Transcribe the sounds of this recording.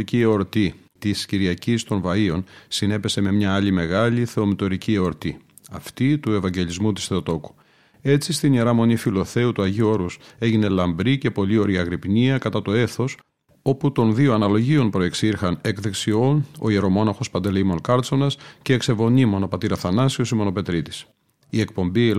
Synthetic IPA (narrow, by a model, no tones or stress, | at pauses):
icieoɾt̪i | t̪isciɾiɐcist̪o̞nvɐio̞nsine̞pe̞se̞me̞mɲɐɐlime̞ɣɐliθe̞o̞mit̪o̞ɾicieo̞ɾt̪i | ɐft̪it̪ue̞vɐɲɟe̞lizmut̪i̥sθeot̪o̞ku̥ | e̞t͡sist̪ineɾɐmo̞nifilo̞θe̞ut̪uɐʝioo̞ɾuse̞ʝine̞lɐmbɾice̞po̞lio̞ɾiɐɣɾipniɐkɐt̪ɐt̪o̞e̞θo̞s | o̞put̪o̞nðioɐnɐlo̞ʝio̞npɾo̞e̞ksiɾxɐnekðeksio̞no̞̰ieɾo̞mo̞nɐxo̞spɐnd̪elimo̞nkɐɾt͡so̞nɐsce̞ːkse̞vo̞nimo̞no̞pɐt̪iɾɐθɐnɐsio̞simo̞no̞pe̞t̪ɾit̪i̥s | ie̞k̚po̞mbi